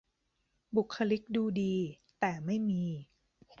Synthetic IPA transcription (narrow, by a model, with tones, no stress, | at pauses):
bu˨˩kʰːa˧li˦˥k̚duː˧diː˧ | t̪ɛː˨˩ma˥˩jmiː˧